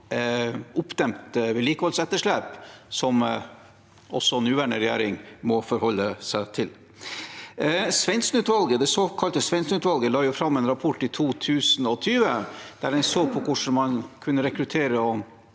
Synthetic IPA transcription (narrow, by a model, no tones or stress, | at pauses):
ʊpd̪ɛmt̪ʋɛːliːkəhɔlsɛt̪ːəʂɭeːpsɔm | ʔɔ̰sːɔnʉːʋæɳəɾɛjḛːɾɪŋmɔfɔɾhɔlːəsæɪt̪ʰɪl | sʋɛnsnʉːt̪ʋɑlɡəd̪ɛsokʰɑlt̪əsʋɛnsnʉːt̪ʋɑlɡəlɑːjʊfɾɑmːɛːnɾɑpʰɔʈːɪt̪ʰuːt̪ʰʉːsnɔt̪ʰyːʋəd̪̥æɖɛnsoːɡ̚pʰɔkʰʊʂɳ̩mɑnkʰʉnːəɾɛkɾʉt̪ʰeːɾəɔ